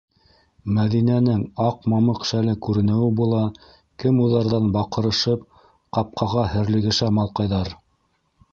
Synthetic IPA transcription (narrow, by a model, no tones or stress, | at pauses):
mæðinænɘŋɑqmɑmɤqʃælɘkʉɾɘ̆nɘ̆wɘbulˠɑ | kɘmuðɑɾðɑnbɑqɤ̆ɾɤ̆ʃɤp̚ | qɑp̚qɑʁɑhɘ̆ɾlɘ̆ɡɘ̆ʃæmɑlˠqɑjðɑɾ